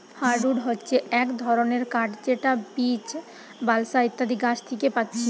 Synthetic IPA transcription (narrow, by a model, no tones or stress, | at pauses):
haɾɖuɖɦotːɕʰeɛkd̪ʱɔɾoneɾkaʈt͡ɕeʈabit͡ɕ | balsait̪ːad̪ʱikaʃt̪ʰikepatːɕʰe